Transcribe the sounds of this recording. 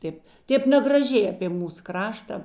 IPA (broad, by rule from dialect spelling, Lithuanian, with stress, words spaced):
ˈtʲeːp ˈtʲeːp nʲɛɡrɐˈʒʲɛɪ ɐpʲeː ˈmuːs ˈkrɑːʃtɐ